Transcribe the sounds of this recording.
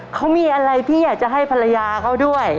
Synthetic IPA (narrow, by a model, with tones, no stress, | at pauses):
kʰa˦˥wmiː˧ʔa˧ɾa˧jt̪ʰiː˥˩jaː˨˩k̚t͡ɕa˨˩ɦa˥˩jpʰa˧la˧jaː˧kʰa˦˥˩wdu˥˩əj